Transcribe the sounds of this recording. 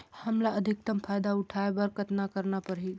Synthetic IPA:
həmlaəd̪ʱik̚t̪əmpʰajd̪auʈʰaebəɾkət̪nakəɾnapəɾɦi

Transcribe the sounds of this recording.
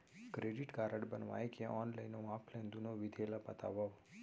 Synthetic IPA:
kɾeɖiʈɡaɾəɖbənʋa̰jkeʔɔnləjnoapʰlẽnd̪unoʋid̪ʱelapət̪a̰ʋəʋ

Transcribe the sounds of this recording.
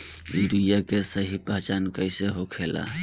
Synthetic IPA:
iɾujakesəɦipəɦt͡ʃankəɪseɦokʰela̰

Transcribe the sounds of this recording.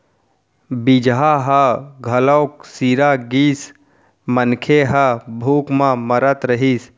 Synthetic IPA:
bid͡ʒɦaɦəɡʱələʊk̚siːɾaɡiːs | mənkʰeɦəbʱuːkmãməɾət̪ɾəɦis

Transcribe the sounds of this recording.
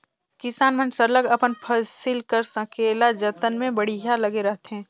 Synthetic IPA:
kɪsaːnmə̃nsələɡɐpənpʰəsɪlkəɾsɐ̃kʰelad͡ʒət̪ənmẽbɐɽ̤iɦalɐɡeɾɐɦt̪eɦɛ̃ː

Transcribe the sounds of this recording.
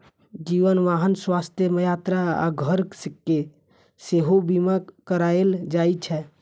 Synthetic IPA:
d͡ʒiʋənʋaɦənswast̪ʰjəməjat̪ɾaa̰ɡʱəɾsəkːe | seɦobimakəɾaeld͡ʒajt͡ʃʰɛ

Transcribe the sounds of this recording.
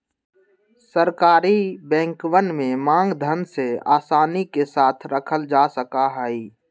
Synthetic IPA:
səɾkaːɾibɛ̃ːŋkwənmẽmãːŋɡd̪ʱənsea̰ːsaːnikesaːt̪ʰɾəkʰəld͡ʒaːsəkaɦaːiː

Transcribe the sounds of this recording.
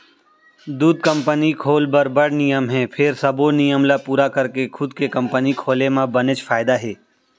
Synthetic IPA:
d̪uːd̪̚kə̃mpənikʰoːlbəɾbəɽ̤nɪjəmɦɛ̃ːpʰɪɾsɐbonɪjəmlapuːɾakəɾkekʰʊd̪kekɐ̃mpənikʰoːlemãbənet͡ʃfʰaːɪd̪aɦɛː

